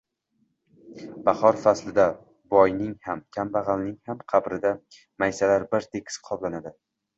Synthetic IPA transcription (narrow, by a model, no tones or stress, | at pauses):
b̥ɑhɒɾfaslɪd̪a | bɒjnɪŋhamkʲʰambaʁɑlnɪŋhamqʰɑbɾɪd̪a | majsalaɾbɪɾt̪ʰekʲʰsqʰɒblanad̪ɪ